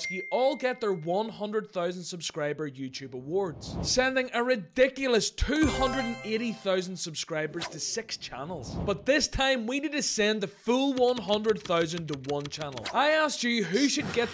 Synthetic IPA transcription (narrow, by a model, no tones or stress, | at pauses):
jɨʔɔlˠɡɛt̪̚ðə˞wʌ̃nɦʌ̃ndɹəd̪̚θaʊzn̩d̥səbskɹaɪbə˞jʉtʰʉbəwɔɹdz̥sɛ̃ndɪ̃ŋəɹɪdɪkjl̩ˠəstʰʉhʌ̃ndɹəd̃n̩eɾiθaʊzn̩d̥səbskɹaɪbə˞z̥tʰɨsɪkst͡ʃʰa̰nl̩ˠz̥b̥ʌt̪̚ðɪstʰãɪ̃mwinɪd̚tʰɨsɛ̃nðəfulˠwʌ̃nɦʌ̃ndɹəd̪̚θaʊzə̃ntəwʌ̃nt͡ʃʰanl̩ˠaɪast͡ʃɨɦʉʃɨd̚ɡɛt̪̚